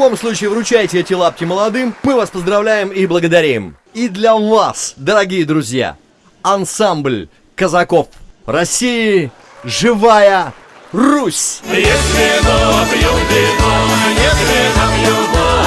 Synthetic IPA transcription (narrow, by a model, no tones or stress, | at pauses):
bo̞mslˠut͡ɕɪːvɾʊt͡ɕæjɪtʲɪɛtʲɪlˠap̚kʲɪməlˠɐd̪ɨmːɨvaspəzd̪ɾɐvlʲæjɪmiblˠəɡəd̪ɐɾʲim | id̪lʲɐvasd̪əɾɐɡʲijəd̪ɾʊzʲja̰ | ɐnsamblʲ | kəzɐko̞frɐsʲijɪ | ʐɨvajərusʲjeslɪnopjuɪnnʲet̪ɪzɐpju